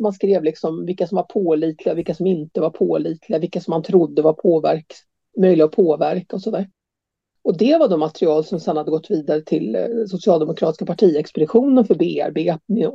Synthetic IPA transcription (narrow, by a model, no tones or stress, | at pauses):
manskɾeːvlɪksɔmvɪkːasɔmvaɾpʰoːliːt̪ʰlɪɡavɪkːasɔmɪnt̪əvaɾpʰoːliːt̪ʰlɪɡavɪkːasɔmːant̪ʰɾʊd̪ːəvaɾpʰoːvæ̰ɾk | mœjlɪɡaɔpʰoːvæɾkaɔsɔd̪æːɾ | ɔd̪ɛvaɖɔmat̪ɾɪɑːlsɔmsɛnhad̪ːəɡɔt̪ːviːd̪aɾət̪ʰɪlsʊsɪɑːld̪ɛmʊkʰɾɑːt̪ɪskapʰaʈʰiːɛkspɛd̪ɪɧuːnənfœɾbeːæ̰ɾbeːmɛ